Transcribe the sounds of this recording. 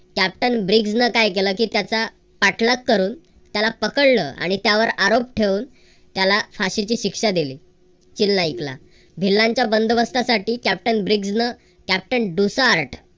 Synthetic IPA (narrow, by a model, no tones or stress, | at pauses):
kæp̚ʈənbɾiɡd͡znəkajkeləːkiːt̪jat͡sa | paʈʰləkːəɾuːn | t̪jalapəkəɽlə̰ːa̰ɽ̃it̪jaʋəɾaɾopʈʰeʋuːn | t̪jalafaɕit͡ɕiːɕikʂad̪iliː | t͡ɕilnaikla̰ | bʱilːãɲt͡ɕjabənd̪ʋəst̪asaʈiːkæp̚ʈənbɾiɡd͡znə | kæp̚ʈənɖusaːɾʈʰ